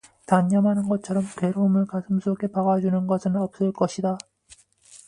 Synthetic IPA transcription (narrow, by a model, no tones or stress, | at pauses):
taɲɲʌmɦanɯnɡʌt͡ɕʰʌɾʌmtwe̞ɾomɯɭkasʰɯmsʰɾoɡe̞paɡad͡ʑunɯnɡʌsʰɯnʌp̚s͈ɯɭk͈ʌɕʰida